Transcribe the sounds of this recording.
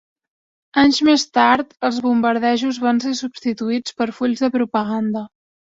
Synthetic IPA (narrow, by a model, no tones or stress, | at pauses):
aɲzmest̪aɾt̪əlˠzβumbəɾðɛʒuzβansesubst̪it̪uit͡spəɾfuʎzðəpɾupəɣand̪ə